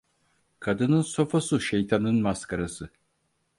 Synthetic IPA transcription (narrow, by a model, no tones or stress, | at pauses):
kʰad̪ɯnɯnso̞fosuʃejt̪ʰanɯnmaskʰaɾasɯ